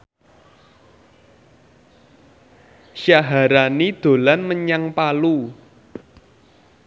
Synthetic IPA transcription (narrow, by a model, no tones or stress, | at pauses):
ʃaɦaɾanid̪̥o̤lanməɲaŋpalu